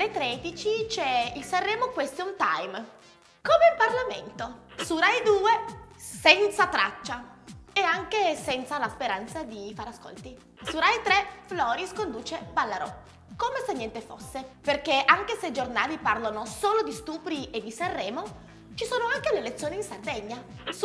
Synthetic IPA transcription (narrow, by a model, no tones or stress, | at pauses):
et̪ɾɛd̪it͡ʃit͡ʃɛilsarːɛːmokwest̪eunt̪a̰jm | komeilparlamḛnt̪osurajd̪uːe | sɛnt̪sat̪ɾa̰t͡ʃːaeaŋkesɛnt̪salaspeɾant̪sad̪ifaɾeasko̰lt̪i | suɾajt̪ɾɛflɔːɾiskond̪uːt͡ʃebalːaɾɔ̰ | komesenːɛnt̪efo̰sːeperkeaŋkeseid͡ʒornaːliparlonosoːlod̪ist̪uːpɾied̪ːisarːɛːmo | t͡ʃisoːnoaŋkeleːlet̪sjoːniːnsard̪ɛɲːa